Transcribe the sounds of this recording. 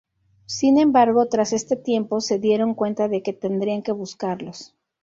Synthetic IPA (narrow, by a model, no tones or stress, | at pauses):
sinẽ̞mbaɾɣ̞o̞t̪ɾase̞st̪e̞t̪je̞mpo̞se̞ðje̞ɾo̞ŋkwe̞nt̪aðe̞ke̞t̪e̞nd̪ɾiaŋke̞βuskaɾlo̞s